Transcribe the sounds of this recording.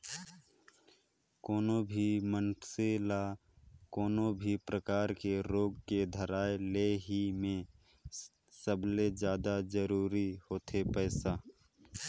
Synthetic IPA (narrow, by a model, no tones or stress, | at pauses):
kɔːnobʱimənsela | kɔːnõbʱipɾəkaːɾkeɾoːɡked̪ʱəɾaːeleːɦimẽ | səbled͡ʒjaːd̪ad͡ʒəɾuːɾihoːt̪ʰepɛːsaː